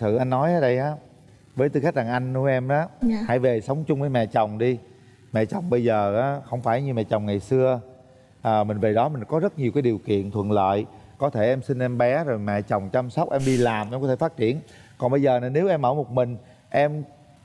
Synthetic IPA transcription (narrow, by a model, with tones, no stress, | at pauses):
t̪ʰɨ̰˧˨˩ʔa˧jŋ̟ːɔ˨˦jʔəː˨˦ɗə˧jʔaː˨˦ | vəː˨˦jt̪ɨ˧xa˦˥k̟̚la˨˩ŋʔa˧jŋ̟nu˧˩˦ʔɛ˧mʔaː˨˦˧ha̰˧˩jve˨˩sə˨˦wŋ͡mt͡ɕʊ˧ŋ͡mvəː˨˦jmɛ̰˧˨t͡ɕə˨˩wŋ͡mɗi˧ | mɛ̰˧˨t͡ɕə˨˩wŋ͡mɓə˧jzəː˨˩ʔaː˨˦xə˧wŋ͡mfaː˧˩jɲɨ˧mɛ̰˧˨t͡ɕə˨˩wŋ͡mŋa˨˩jsɨ˧ə | ʔəː˨˩mï˨˩ŋ̟ve˨˩ɗɔ˨˦mï˨˩ŋ̟kɔ˨˦zə˦˥t̚ɲi˨˩kaː˨˦jɗi˨˩əwkḭ˧˨ənt̪ʰwə̰˧˨nlə̰ː˧˨jkɔ˨˦t̪ʰe˧˩ʔɛ˧msï˧nʔɛ˧mɓɛ˨˦zo˨˩jmɛ̰˧˨t͡ɕə˨˩wŋ͡mt͡ɕa˧msə˦˥k͡p̚ʔɛ˧mɗi˧laː˨˩mʔɛ˧kɔ˦e˧˩faː˦˥t̚t͡ɕi˧˩˨ənkɔ˨˩nɓə˧jzəː˨˩na˨˩ne˨˦wʔɛ˧mʔəː˧˩mo˨˩t̚mï˨˩ŋ̟ | ʔɛ˧m